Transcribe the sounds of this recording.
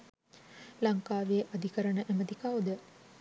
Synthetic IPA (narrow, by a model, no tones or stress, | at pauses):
laŋkaːʋijeʔad̪ʱikəɾənəʔeməd̪ikawd̪ə